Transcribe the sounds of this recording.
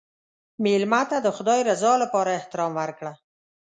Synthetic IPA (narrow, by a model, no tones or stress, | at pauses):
melmat̪ad̪əxʊd̪ɑjɾazɑlapɑɾaɪht̪ɪɾɑmwaɾkɽa